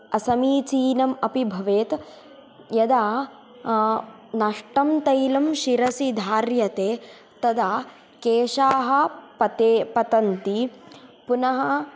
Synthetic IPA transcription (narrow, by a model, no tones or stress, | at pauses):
ɐsɐmiːt͡ʃiːnɐmɐpibʱɐʋeːt̪ | jɐd̪aː | nɐʂʈɐmt̪ɐjlɐmʃiɾɐsid̪ʱaːɾjɐt̪eː | t̪ɐd̪aː | keːʃaːɦɐ̆pɐt̪epɐt̪ɐnt̪ipunɐɦɐ